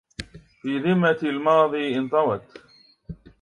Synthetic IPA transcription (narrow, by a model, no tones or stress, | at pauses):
fiːðɪmːalmɑːðˤiːʔɪnt̪ˤɑwɑt̪